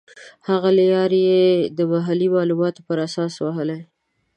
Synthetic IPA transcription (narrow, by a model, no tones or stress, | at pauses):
haɣaljɑɾjed̪əmaɦalimɑlumɑt̪opəɾasɑswaɦəle